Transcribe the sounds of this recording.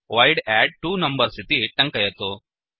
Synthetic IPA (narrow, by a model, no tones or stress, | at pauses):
ʋɐjɖɛɖ̚ʈuːnɐmbɐɾsit̪iʈɐŋkɐjɐt̪u